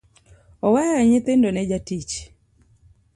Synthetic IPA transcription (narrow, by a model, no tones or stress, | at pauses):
ɔwajaɲɪt̪endonɛd͡ʒatit͡ʃ